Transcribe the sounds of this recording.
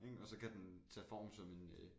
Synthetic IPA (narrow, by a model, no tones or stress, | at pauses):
eŋɒ̽sɒ̽kʰæd̥ent͡sʰɛ̰ːfɒ̰ːmsɒ̽me̝nø